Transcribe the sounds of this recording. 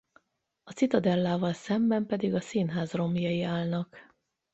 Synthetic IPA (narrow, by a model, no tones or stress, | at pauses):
ɒsit̪ɒd̪ɛlːaːvɒlsɛmbɛmpɛd̪iɡɒsiːnɦaːzro̞mijɒjiaːlnɒk